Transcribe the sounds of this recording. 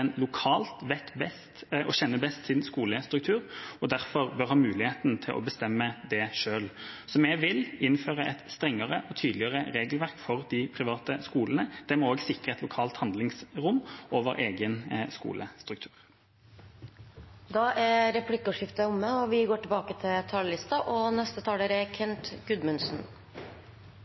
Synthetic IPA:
nlʊkʰɑːlt̪ʋɛt̪bɛst̪ʔɔɕɛnːəbɛst̪sɪnskuːləst̪ɾʉk̚t̪ʰʉːʁɔd̪æʁfɔʁbœʁhɑːmʉːlɪheːt̪nt̪ʰɪlʔɔ̰bəst̪ɛmːəd̪ɛʂøːlsɔmɛɡʋɪlɪnføːʁəʔɛt̪st̪ɾɛŋːəʁəʔɔt̪ʰyːd̪lɪəʁəɾeːɡlʋæʁkfɔʁd̪ɪpʰɾɪʋɑːt̪əskuːlənəd̪̥ɛmɔoːɡsɪkʁəɛt̪lʊkʰɑːlt̪hɑnd̪lɪŋsʁʊmːʔoːʋə̰ɾʔeːɡənskṵːlʔəst̪ɾʉkt̪ʰʉ̥̰ːʁ | d̪ɑːʔæɾɛpʰlɪkːʊʂɪft̪əʊmːəɔʋɪɡoːʈɪlbɑːkət̪ʰɪlt̪ʰɑːllɪst̪ɑʔɔnɛst̪ət̪ʰɑːləɾækʰɛnt̪ɡʉd̪mʉnsn

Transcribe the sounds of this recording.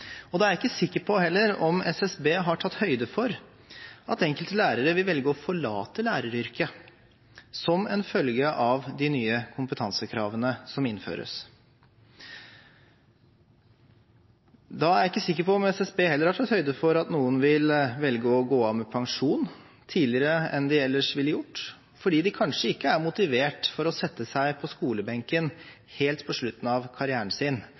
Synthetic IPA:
ɔd̪ɛæɾjɪkːəsɪkːəpʰɔhɛlːəɾɔmɛsɛsbeːɦɑʈʰɑt̪ːhœʏd̪əfɔɾ | ɑt̪ɛŋkəlt̪əlæːɾəɾəʋɪlʋɛlɡəɔfɔɭɑ̰ːt̪əlæːɾəɾʏɾkə | sɔmɛnfœlɡəʔɑʋd̪ɪnyːəkʰʊmpət̪ʰɑnsəkʰɾɑ̰ːʋənəsɔmɪnfø̰ːɾə̰s | d̪ɑæɾɪkːəsɪkːəɾpɔɔmɛsɛsbeːhɛlːəɾæʈ̪ɔt̪hœʏd̪əfɔɾɑt̪nuːənʋɪlʋɛlɡəɔɡoːɑʋmɛpʰɑŋʂuːn | t̪ʰiːlɪəɾəɛnd̪ɪɛlːəʂʋɪlːjʊʈː | fɔɖiːd̪ɪkʰɑnʂəɪkːəæɾmʊt̪ɪʋeːʈfɔɾɔsɛt̪ːəsæɪpʰɔskuːləbɛŋkən | heːlt̪pʰɔʂɭʉt̪ːn̩ɑʋkʰɑɾɪæːəɳsɪn

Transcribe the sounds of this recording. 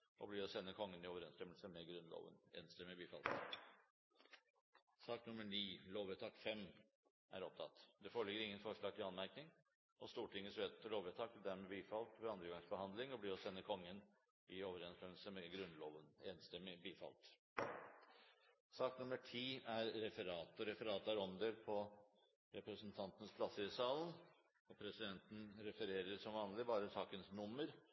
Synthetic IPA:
ʔɔbliːɾɔsɛnːəkʰɔŋːənɪoːʋəɾɛnst̪ɛmːəlsəmɛɡɾʉnlo̰ːʋə̰nḛːnst̪ɛmːɪbiːfɑ̰lt̪ | sɑːknʉməɳiːloːʋet̪ʰɑːkfɛm | ʔæ̰ɾɔp̚t̪ʰɑ̰t̪ːd̪ɛfoːɭɪɡəɾɪŋːənfɔʂɭɑːɡ̚t̪ʰɪlɑnmæɾknɪŋ | ɔst̪uːʈʰɪŋːəsʋeːt̪ʰloːʋɛt̪ʰɑːkt̪ʰɪld̪æɾmɛbiːfɑlt̪ʋɔɾɑnd̪ɾəɡɑŋsbəhɑnd̪lɪŋɔbliːɾɔsɛnːəkʰɔŋːən | ɪoːʋəɾɛnst̪ɛml̩səmɛɡɾʉnːloːʋəneːnst̪ɛmːɪbiːfɑ̰lt̪ | sɑːknʊmːəʈʰiːæɾːɛfəɾɑːt̪ɔɾɛfəɾɑːt̪æɾɔnd̪əlpʰɔ | ɾɛpɾɛsənt̪ʰɑnt̪ənəspʰlɑsəsɑːlən | ɔpʰɾɛsɪd̪ɛnt̪n̩ɾɛfəɾeːɾəɾsɔmʋɑːnlɪbɑːɾəsɑːkənsnʊmːəɾ

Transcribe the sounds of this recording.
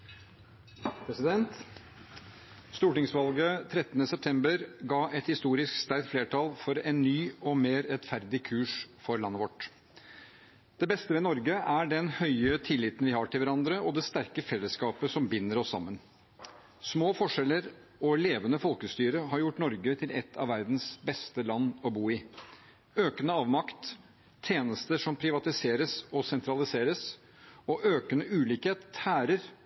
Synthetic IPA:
pʰɾɛsɪd̪ɛnt̪ | st̪uːʈɪŋsʋɑlɡət̪ʰɾɛt̪ːənəsɛp̚t̪ʰɛmbəɾɡɑːʔɛt̪hɪst̪uːɾɪskst̪æɾk̚t̪fleːʈʰɑlfɔɾɛnːyːɔmeːɾɛt̪fæɾd̪ɪkʰʉːʂfɔɾlɑnːəʋɔʈ | d̪̥ɛbɛst̪əʋɛnɔɾɡəʔæɖɛnhœʏət̪ʰɪlːɪt̪ənʋɪhɑʈʰɪlʋæɾɑnd̪ɾəʔɔd̪ɛst̪æɾkəfɛlːəskɑːpəsɔmbɪnːəɾɔsːɑ̰mːən | smoːfɔʂɛlːəɾ | ɔleːʋənəfɔlˠkəst̪yːɾəɦɑɾjʊʈːnɔɾɡət̪ʰɪlʔɛ̰t̪ʰːɑ̰ʋæɾd̪n̩sbɛst̪əlɑnːɔbuːɪ | øːkənəɑːʋmɑkt̪ʰː | eːnəst̪əʂɔmpʰɾɪʋɑt̪ɪseːɾəsɔsɛnt̪ɾɑlɪseːɾəs | ɔʔøːkənəʔʉːliːkheːt̪æːɾəɾ

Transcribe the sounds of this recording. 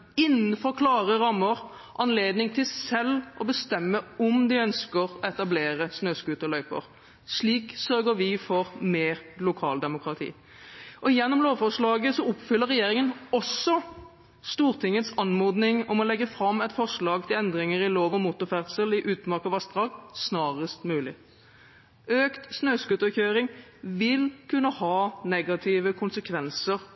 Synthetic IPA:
ɪnːn̩fɔʁkʰlɑːʁəʁɑmːəʁ | ʔɑnleːd̪nɪŋt̪ʰɪlsɛlːʔɔbəst̪ɛmːəʊmd̪ɪœnskəʁɔɛt̪ɑbleːɾəsnøːskʉːt̪ɔlœʏpə̰ʁ | ʂɭiːksœʁɡəʋɪfɔʁmeːʁlʊkʰɑ̰ːld̪ɛmʊkʰɾɑt̪ʰḭː | ʔɔjɛnːɔmloːʋfɔʁʂlɑːɡəsɔʊpfʏlːəɾɛjeːɾɪŋənɔsːɔ | st̪uːʁt̪ʰɪŋːət̪sɑnmoːd̪nɪŋɔmɔlɛɡːəfɾɑmːɛt̪fɔʁʂɭɑːɡ̚t̪ʰɪlɛnd̪ʁɪŋəʁɪloːʋɔmuːt̪ʊfæʁd̪səlɪʔʉːt̪mɑʁkɑʋɑst̪d̪ʁɑːɡsnɑːʁəst̪mʉːlɪ | øːkt̪snøːskʉt̪əçøːɾɪŋʋɪlkʰʉnːəhɑːnɛɡɑt̪ʰɪːʋəkʰʊnsəkʰʋɛnsəʁ

